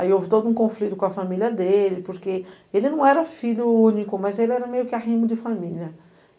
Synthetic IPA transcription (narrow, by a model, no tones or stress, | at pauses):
aiovit̪od̪uŋkõflit̪ukwafamiljəd̪elipuɾke | elinũɛɾəfiljuunikumazelɛɾəmejukʲaɦimud̪ifamiljə